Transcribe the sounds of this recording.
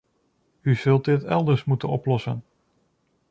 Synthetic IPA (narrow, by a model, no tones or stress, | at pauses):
yz̥ɵlˠt̚dɪtɛlˠdəɹsmutənɔplɔsən